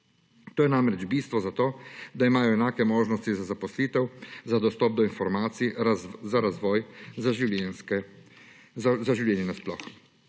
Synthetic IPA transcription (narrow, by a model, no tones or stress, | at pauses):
t̪oːjɛnamɾɛd͡ʒbiːst̪ʋɔzat̪oːd̪aimaːjɔɛnaːkɛmoːʒnɔst̪izazapɔsliːt̪ɛwzad̪ɔst̪ɔːb̚d̪ɔinfɔɾmaːt̪siizaɾazʋɔːjzaʒiɛnskɛ | zaʒiwljɛːnɛnɛsplɔx